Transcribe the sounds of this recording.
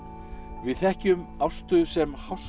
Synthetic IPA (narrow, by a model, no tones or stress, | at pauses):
vɪðθɛhcʏmawst̪ʏsɛmhaws